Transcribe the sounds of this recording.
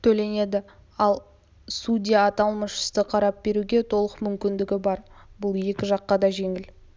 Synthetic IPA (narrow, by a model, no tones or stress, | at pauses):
t̪ʰɵle̞ne̞d̪ɪ | ɑlˠ | sudʲijaːt̪ɑlˠməʃə̥st̪əqʰɑɾɑp̚b̥e̞ɾuɡʲe̞t̪ʰo̞lˠəqmʏmkʲɪnd̪ɪɡʲɪbɑɾbʊlˠje̞kʲɪʒɑqːɑd̪ɑʒe̞ŋɪl